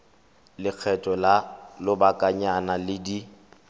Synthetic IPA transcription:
lɪk͡xʰɛtʼɔlalʊbakʼaɲanalɪdi

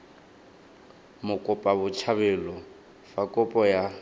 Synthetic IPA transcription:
mʊkʼʊpʼabʊt͡ʃʰaβɛlɔ | fakʼʊpʼɔja

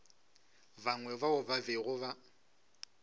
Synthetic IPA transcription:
baŋwɛvaʊbaveɣʊβa

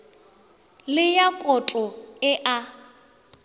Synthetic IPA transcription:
lɪjakʼɔt͡ɬʼɔɪʔa

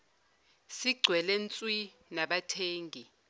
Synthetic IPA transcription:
siɡ͡ǀʱwɛlɛnt͡sʼwi | naɓatʰeːŋɡʱi

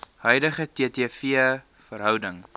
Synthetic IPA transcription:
hœjdəχətiətiəfiə | fəɾɦœwdəŋ

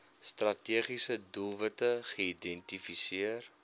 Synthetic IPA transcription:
strɐtiəχisədulˠvətəχəidɛntifisiər

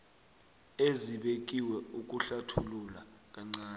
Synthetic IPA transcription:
eziɓek̬ʼiwɛuk̬ʼuɬatʰululak̬aŋ͡ǀaːn

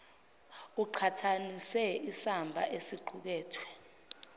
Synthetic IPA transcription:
uǃʰatʰanisɛisambʱa̰ʔesiǃʰuk̬ɛːtʰwɛ

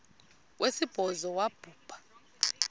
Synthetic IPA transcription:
wʔesib̥ʱɔzɔwab̥ʱuːb̥ʱḁ

